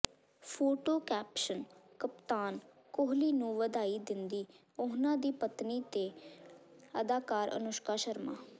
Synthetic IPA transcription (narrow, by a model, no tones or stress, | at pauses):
pʰoːʈoːkɛːpʃənkəpt̪aːn | kʊɦliːnũːʋəd̪aːiːd̪ɪnd̪iː | ʊɦnãːd̪iːpət̪niːt̪eː | əd̪aːkaːɾə̰nʊʃkaːʃəɾma̰ː